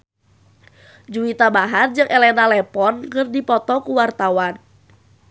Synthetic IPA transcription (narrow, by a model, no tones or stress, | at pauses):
d͡ʒuit̪abaɦard͡ʒɨŋʔɛlɛnalɛpɔnkɨrdipɔt̪ɔkuwart̪awan